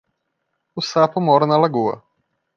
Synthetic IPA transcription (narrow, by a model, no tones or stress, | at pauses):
ʊsapʊmɔɾɐnɐlaɡuɐ̰